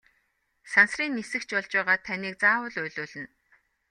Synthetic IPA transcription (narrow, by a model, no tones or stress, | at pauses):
sansriːnːisɘ̆kt͡ɕpɔɮt͡ɕpæːʁaːt̪ʰːaniːk̚t͡saːwʊ̆ɮʊjɮʊːɮɘ̆n